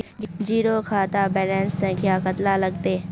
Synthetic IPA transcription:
d͡ʒiːɾokʰaːt̪abɛːlɛ̃ːnsːɐ̃ŋkʰjaːkət̪lalɐɡ̚t̪eː

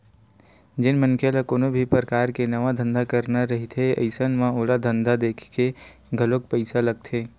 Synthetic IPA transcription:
d͡ʒɪnmənkʰelakoːnobʱipɾəkaːɾkenɐʋad̪ʱə̃nd̪ʱakəɾnaɾɐɦit̪ʰeɐ̰ɪsənmãoːlad̪ʱə̃nd̪ʱad̪eːkʰke | ɡʱəlok̚pəɪsalɐɡ̚t̪ʰeː

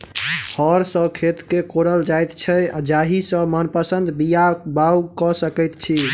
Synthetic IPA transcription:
hʰɔɾsə̃kʰet̪kekoɾəld͡ʒajt̪t͡ʃʰɛad͡ʒaɦisə̃mənpəsənd̪bijabawkɔsəkɛjt̪t͡ʃʰi

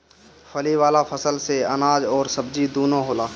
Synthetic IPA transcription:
fʰəliʋaːlafʰɐsəlseɐnaːd͡ʒɔːɾsɐbd͡ʒid̪oːnõɦoːlaː

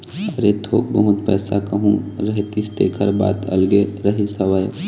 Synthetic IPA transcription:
haɾet̪ʰoːk̚bəɦʊt̪pɛ̰ːsakɐɦũɾɐɦet̪ist̪ḛːkʰəɾba̰ːt̪ɐ̰lɡeɾɐɦisɐʋaj

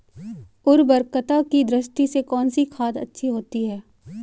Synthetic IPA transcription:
ʊɾbəɾkət̪akid̪ɾɪʃʈisekɔːnsikʰaːd̪ɐ̰tːʃʰiɦoːt̪iɦɛː

